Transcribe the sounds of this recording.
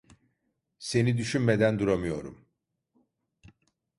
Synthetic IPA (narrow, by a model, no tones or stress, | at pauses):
se̞nid̪yʃynme̞d̪ænd̪uɾamɯjo̞̰ɾṵm